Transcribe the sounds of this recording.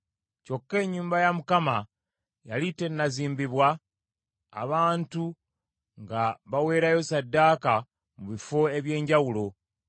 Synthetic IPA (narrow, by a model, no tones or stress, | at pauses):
co̞kːe̞ːɲːuːmbajamukama | jalite̞nːaziːmbiβwa̰ː | βaːntu | ŋɡaβawe̞ːɾajo̞sadːaːka | muβifo̞e̞βje̞ːɲɟawulo̞